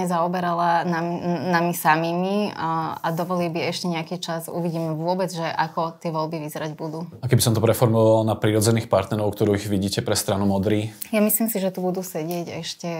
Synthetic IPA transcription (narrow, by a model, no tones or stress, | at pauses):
ɲɛzaɔbɛɾalanamnamisamiːmiad̪ɔʋɔlilbiɛʃcɛɲɛakiːt͡ʃazṵʋiɟiːmɛʋʊɔbɛd͡zʒɛʔakɔt̪ɪɛʋɔlbiʋizɛɾaɟbud̪uːakɛbisɔnt̪ɔpɾɛfɔɾmɔʋalnapɾiɾɔd͡zɛniːxpaɾt̪nɛɾɔʊkt̪ɔɾuːiɣʋiɟiːcɛpɾɛst̪ɾanumɔd̪ɾiː | jamisliːmsiʒɛt̪ubud̪uːsɛɟɪɛɟɛ̰ʃcɛ